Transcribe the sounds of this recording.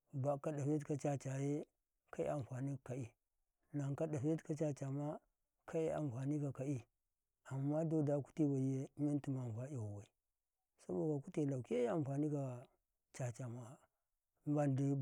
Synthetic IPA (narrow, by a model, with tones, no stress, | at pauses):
ba˨ka˦da˨fe˦tka˨t͡ʃa˦t͡ʃa˨je˦ | ka˦ḭ˦a˨m˨fa˨ni˦˨ka˨i˨ | la˨ŋka˦da˨fe˦tka˨t͡ʃa˦t͡ʃa˨ma˦ | kʰa˦i˦a̰˨mfa˨ni˦ka˨ka˨i˦ | a˨mːa˦do˦da˨˦ku̥˦ti˦ba˨je˦mi˦n˦ti˦ma˨n˨fa˦ja˨wa˨i˨ | sa˦bo˨a˨ku˦ti˨la˨ke˦a˨m˨fa˨ni˦ka˨ | t͡ʃa˨t͡ʃa˨ma˦˨ | ba˦ndi˦